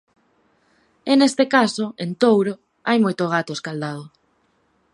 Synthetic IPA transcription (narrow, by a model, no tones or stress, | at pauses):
enest̪ekasoent̪owɾo | ajmojt̪oɣ̞at̪oeskald̪að̞o